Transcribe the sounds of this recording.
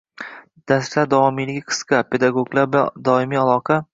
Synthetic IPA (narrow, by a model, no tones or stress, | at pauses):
d̪̥aslaɾd̪ɒɒmijlɪɡʲqʰɨ̥sqɑpʰe̞d̪aɡoɡlˠaɾbad̪ɒɪmiːalˠɒqʰɑ